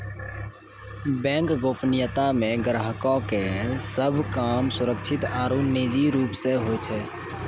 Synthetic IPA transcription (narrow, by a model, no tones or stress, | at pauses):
bɛ̃ːŋkɡoːpʰnɪjət̪amẽɡɾəɦəkõkesəbʱkaːmsʊɾəkt͡ʃʰɪt̪aːɾuneːd͡ʒiɾuːpseɦojt͡ʃʰɛ